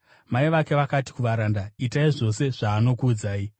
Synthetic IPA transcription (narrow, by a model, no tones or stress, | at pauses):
maiʋake̞ʋakati̥kuʋaɾandaitaiʐo̞se̞ʐ̥aːno̞kuːd͡zaːi